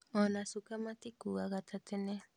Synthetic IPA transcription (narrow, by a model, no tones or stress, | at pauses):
onasukamat̪ikuaɣat̪at̪ene